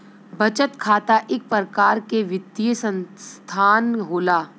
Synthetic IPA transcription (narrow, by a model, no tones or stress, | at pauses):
bɐt͡ʃət̪kʰaːt̪aʔɪk̚pəɾəkaːɾkeʋɪd̪ijəsə̃nst̪ʰaːnɦoːlaː